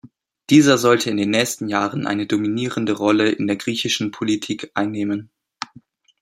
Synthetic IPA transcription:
d̥iːzɐzɔltʰəɪndeːnːɛːçstn̩jaːʁənʔa̰ɪnədominiːʁəndəʁɔləʔɪ̰ndeːɐɡʁiːçɪʃn̩pʰolitʰiːkʔaɪnːeːmən

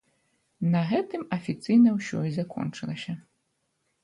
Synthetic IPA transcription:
nɐɣɛt̪ɨmɐfʲit̪sɨjnɐwsʲɔ̰izakɔ̰nt͡ʂɨlˠɐsʲɐ

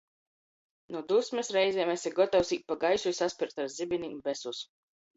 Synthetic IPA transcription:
nud̪usʲmɛsɾɛjzʲɛmɛsʲɛɡɔt̪awsiːt̪̚paɡajsʲujsaspʲiɾt̪aɾzibinʲimbɛsus

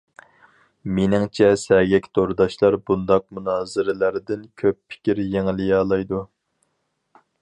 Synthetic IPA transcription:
menɪŋt͡ʃʰɛsɛɡʲɛkʲt̪ʰoɾd̪ɑʃlˠɑɾbund̪ɑq̚munɑːzɨɾɪlæɾd̪ɪnkʲʰøpːʰɪ̥kʲiɾjeŋlɪjɑːlˠɑjd̪u

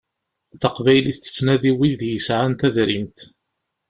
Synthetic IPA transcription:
θəqvæjliθt̪ə̥t͡sːnæðiwiðjəsʕant̪æðɾint̪

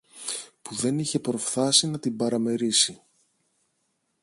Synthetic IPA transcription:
puðe̞niçe̞pɾo̞fθɐsinɐt̪imbɐɾɐme̞ɾisi

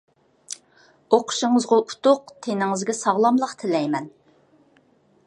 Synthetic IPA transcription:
oqʰʊ̥ʃɨŋəzʁʊʔu̥t̪ʊq̚t̪ʰenɪŋɨzɡʲɛsɑʁlˠɑmlˠəqt̪ʰɪlɛjmɛn

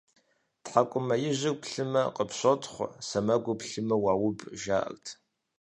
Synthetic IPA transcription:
tħakʷʼʊmɐjɪʑɪpʰɬɨmɐqʼəpɕʷotʰχʷsɐmɐɡʷʊpɬɨmɐwaːwʊbʒa̰ːʔɐ̰ɣtʰ

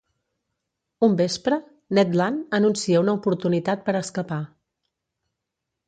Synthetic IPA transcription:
umbespɾə | nɛt̪lanənunsiəunəupuɾt̪unit̪at̪̚pəɾəskəpa

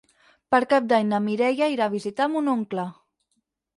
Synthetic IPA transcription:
pəɾkap̚d̪aɲnamiɾɛjaiɾaβ̞izit̪amunoŋklə

